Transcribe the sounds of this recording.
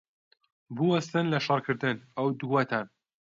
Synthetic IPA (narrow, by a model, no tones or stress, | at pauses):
bɨwɐst̪ɨnlɐʃɑrkʰɨɾd̪ɨnɐwd̪uwɐt̪ʰan